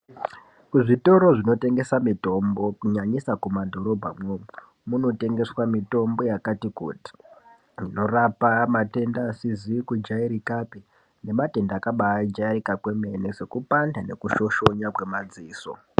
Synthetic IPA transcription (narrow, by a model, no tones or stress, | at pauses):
kuʐito̞ɾo̞ʐino̞te̞ŋɡe̞samito̞mbo̞kuɲaɲisakumadʱo̞ɾo̞bʱamwomu | muno̞te̞ŋɡe̞swamito̞mbo̞jakatikṵːti̥ | rino̞rapamate̞ndaːsizikud͡ʒaiɾikapi | ne̞mate̞ndakaɓaid͡ʒairikakwe̞me̞nese̞kupandane̞kuʃo̞ʃo̞ɲakwe̞mad͡ziːso̞̰